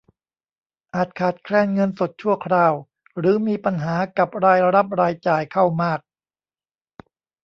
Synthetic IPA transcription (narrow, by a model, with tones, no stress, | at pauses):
ʔaː˨˩t̪̚kʰaː˨˩t̪̚kʰlɛː˧nŋɤ˧nso˨˩t̪̚t͡ɕʰu˥˩ɐkʰɾaː˧w | ɾɯː˩˦miː˧pa˧nɦaː˩˦ka˨˩p̚ɾaː˧jɾa˦˥p̚ɾaː˧jt͡ɕaː˨˩jkʰa˥˩wmaː˥˩k̚